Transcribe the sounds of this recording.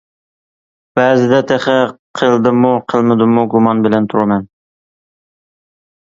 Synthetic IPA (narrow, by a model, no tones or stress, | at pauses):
b̥æːzɪd̪ɛt̪ʰeχɛqʰəlˠd̪ɪmuqʰəlˠmɪd̪ɨmuɡumɑnbɪlɛnt̪ʰuɾumɛn